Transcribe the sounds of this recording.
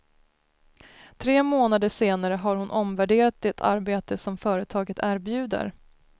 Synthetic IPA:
t̪ʰɾeːmoːnad̪əʂeːnaɾəɦaɾhʊnʔɔmvæɖeːɾat̪̚d̪ɛt̪ʰa̰ɾbeːt̪əsɔmfœːɾət̪ʰɑːɡət̪ʰæːɾbjʉ̟ːd̪ə̰ɾ

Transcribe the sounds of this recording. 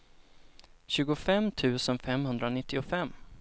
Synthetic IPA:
ɕʉ̟ːɡʊfɛmːt̪ʰʉ̟ːsənfɛmhɵnd̪ɾanɪt̪ʰːɪʊfɛmː

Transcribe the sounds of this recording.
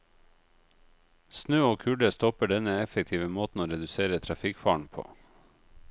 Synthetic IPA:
snøːoːkʰʉɖəst̪ɔpəɖɛnəɛfək̚t̪ʰiːʋəmoːt̪n̩oːɾɛd̪ʉseːɾət̪ʰɾɑfɪkfɑːɳpʰo̰ː

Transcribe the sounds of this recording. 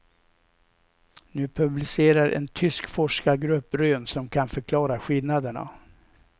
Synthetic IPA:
nʉ̟ːpʰɵblɪseːɾaɾʔɛ̰nt̪ʰʏskfɔʂkaɡɾɵpːɾøːnsɔmkʰanfœɾkʰlɑːɾaɧɪlnad̪əɳa̰

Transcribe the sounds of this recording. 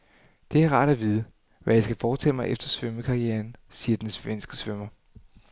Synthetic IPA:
d̥e̝æɐʁɑ̰̈ːd̥æʋiːð̞ˠə | ʋæjɑ̈ɪsɡ̥æfɒːt͡sʰɛ̰ːmɑ̈ɪʔefd̥ɐsʋøməkʰɑ̈ʁieːɐnsiːɐd̥ensʋensɡ̥əsʋømɐ

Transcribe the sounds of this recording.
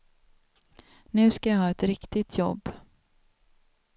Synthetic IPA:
nʉ̟ːskajaɦɑːɛt̪ɾɪkt̪ɪt̪ʰjɔ̰bː

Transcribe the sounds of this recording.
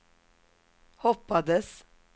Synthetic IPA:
hɔpɑd̪əs

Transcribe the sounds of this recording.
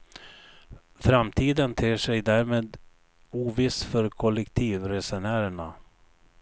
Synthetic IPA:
fɾamt̪ʰiːd̪ənt̪ʰeːʂɛjd̪æɾmeːd̪ | uːvɪsfœɾkʰɔlɛkt̪ʰiːvɾɛsɛnæːɾəɳa̰

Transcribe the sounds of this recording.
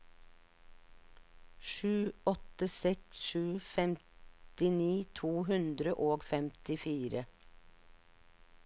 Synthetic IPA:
ʃʉːɔt̪əsɛksʃʉːfɛmt̪ɪniːt̪ʰuːhʉnd̪ɾəʔoːɡfɛmt̪ɪfiːɾə

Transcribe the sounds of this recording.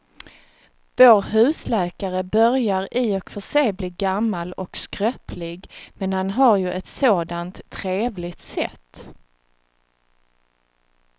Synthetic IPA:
voːɾɦʉ̟ːslɛːkaɾəbœɾjaɾɪɔkfœʂɛjbliːɡamːalɔkskɾœpʰlɪɡmɛnhanɦaɾjɵʔɛt̪soːd̪ant̪ʰːɾeːvlɪt̪sɛt̪ː

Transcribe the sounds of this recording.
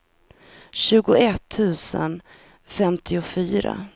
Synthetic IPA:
ɕʉ̟ːɡʊɛt̪ʰːʉ̟ːsə̰n | fɛmt̪ʰɪʊfyːɾa̰

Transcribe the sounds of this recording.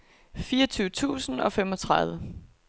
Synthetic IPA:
fiːɐʌ̽t͡sʰyːʊət͡sʰṵːsn̩ɒ̽femɒ̽t͡sʰʁɑ̈ðˠʋə

